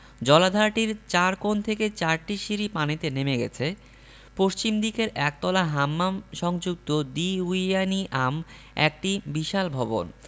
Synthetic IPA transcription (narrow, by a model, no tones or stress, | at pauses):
d͡ʑɔlad̪ʱaɾʈiɾt͡ɕaɾkont̪ʰeket͡ɕaɾʈiʃiɾipanit̪enemeɡɛ̰t͡ɕʰe | poʃt͡ɕimd̪ikeɾɛk̚t̪ɔlaɦamːamʃɔŋd͡ʑuk̚t̪od̪iuijaniʔam | ɛ̰k̚ʈibiʃalbʱɔbo̰n